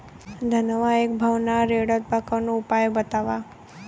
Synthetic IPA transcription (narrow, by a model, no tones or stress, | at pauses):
d̪ʱənəʋaekbʱaʋnaɾeɽət̪̚pakənõupajbət̪aʋa